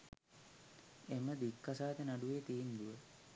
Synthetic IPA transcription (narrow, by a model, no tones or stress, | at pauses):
eməd̪ikːasaːt̪enaɖuʋeːt̪iːnd̪uʋə